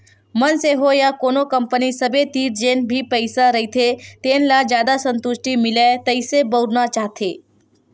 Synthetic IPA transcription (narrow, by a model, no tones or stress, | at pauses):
mənseɦojakoːnokəmpənisəbet̪iːɾd͡ʒeːnbʱipəɪsaɾɐɦit̪ʰet̪eːnlad͡ʒjaːd̪asə̃nt̪ʊʃʈimɪlet̪əisebəɾnat͡ʃaːɦt̪ʰeː